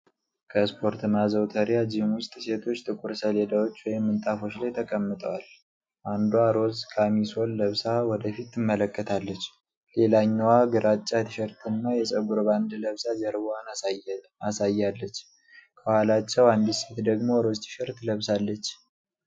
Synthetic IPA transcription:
kʰəspʰo̞ɾt̪ɨmazəwt̪ʰəɾijad͡ʒimwʊst̪ʼse̞t̪ʰo̞t͡ʃːt̪ʼɨkʼuɾsəled̪awo̞t͡ʃːwɔjɪmːɨnt̪ʼafo̞t͡ʃːlajt̪ʰəkʼəmːɨt̪ʼəwal | ʔand̪uaɾo̞zkʰamiso̞lːəβsawɔd̪əfit̪ːɨmːələkːət̪ʰalːət͡ʃː | le̞laɲːwaɡɨɾat͡ʃʼːat̪ʰɨʃəɾt̪ʰɨnːajɛsʼəɡuɾband̪ləβsad͡ʒɛɾban | asajːalːət͡ʃː | kʰəbhalat͡ʃːɛwand̪ise̞t̪d̪əɡmo̞ɾo̞zt̪ʰɨ̥ʃɛɾt̪ləβsalːət͡ʃː

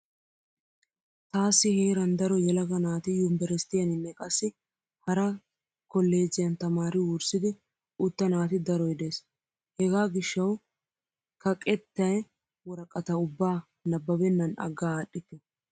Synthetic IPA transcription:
t̪aːsːɪheːɾɐnd̪ɐɾɔjɛlɐɡɐnaːt̪ɪjʊmbɛɾɛst̪ɪjɐnɪnːɛkʼɐsːɪ | hɐɾɐ | kɔlːe̞ːzːɪjɐnt̪ɐmaːɾɪwʊɾsɪd̪ɪ | ʔʊt̪ːɐnaːt̪ɪd̪ɐɾɔjd̪e̞ːs | hɛɡaːɡɪʃːɐw | kɐkʼɛt̪ːɐj | wɔɾɐkʼɐt̪ɐʊbːaː | nɐbːɐbɛnːɐnɐ̰ɡːaːɗːɪt̪ːɛ

